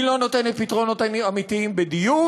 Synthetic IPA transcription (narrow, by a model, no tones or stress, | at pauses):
lo̞no̞t̪e̞net̪̚pit̪ʁono̞t̪aiamitiimbed̪iju